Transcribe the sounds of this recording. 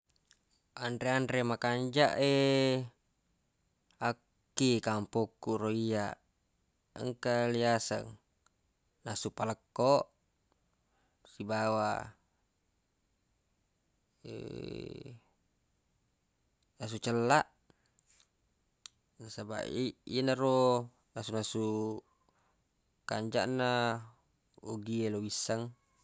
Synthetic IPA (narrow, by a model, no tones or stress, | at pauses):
anɾeanɾemakaɲd͡ʒaʔe | akːikampokːuroia | ə̰ŋkaliasə̰ŋ | nasupaləkːoʔ | sibawa̰ | ḛ | nas̬ut͡ʃəlːaʔ | nasaba̰ʔiḭnaɾo | nasunasu | kaɲd͡ʒa̰ʔnːa | uɡielowisːaŋ